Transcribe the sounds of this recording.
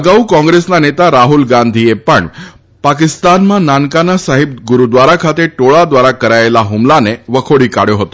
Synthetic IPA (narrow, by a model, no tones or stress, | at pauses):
əɡaukɔ̃ŋɡɾesnanet̪aɾaɦulɡand̪ʱijepəɳ | pakist̪anmãnankanasaɦib̚ɡuɾud̪ʋaɾakʰat̪eʈoɭad̪ʋaɾakəɾajlaɦumlaneʋəkʰoɽiːkaɽjoɦot̪o